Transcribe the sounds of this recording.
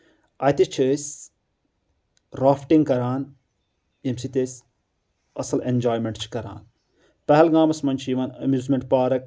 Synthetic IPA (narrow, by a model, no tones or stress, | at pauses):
ɐːjt̪it͡ʃʰɨsʲ | ɾaːfʈĩŋɡkɐɾaːn | jɐmsit̪esʲ | ɐsɐlenʲd͡ʒaːjmeɳʈt͡ʃʰi̥kɐɾa̰ːn | pɐɦɛlɡaːmɐsmɐnt͡ʃʰjiʋaːnɐmjuːzmeɳʈ̚paːɾɐk̚